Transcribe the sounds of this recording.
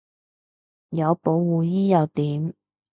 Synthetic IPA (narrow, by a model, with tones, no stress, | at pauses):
jɐ˨˧wpo˨˧wwuː˨jiː˥jɐ˨˧wt̪iː˨˥m